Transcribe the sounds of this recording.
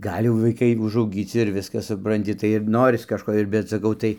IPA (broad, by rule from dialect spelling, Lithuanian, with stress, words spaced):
ˈɡɐlʲ jɛʊ ʋɐɪˈkɐɪ ʊʒɐʊˈɡʲiːt͡sʲɪ ɪr ˈʋʲɪskɐs sʊprɐnʲˈtʲɪ tɐɪ ɪr ˈnoːrʲɪs kɐʃˈkoː ɪr bʲɛt sɐˈkɐʊ ˈtɐɪ